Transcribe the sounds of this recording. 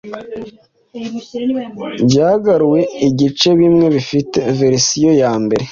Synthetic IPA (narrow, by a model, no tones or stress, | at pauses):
bjaːɡaɾuwe̞iɟit͡ʃe̞βimŋe̞βifite̞ve̞ɾisijo̞jaːmbe̞ɾe